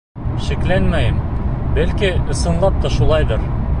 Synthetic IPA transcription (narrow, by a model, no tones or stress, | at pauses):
ʃiklænmæjɘmbælkiɤ̆sɤ̆nlˠɑp̪̚t̪ːɑʃulˠɑjd̪ɤɾ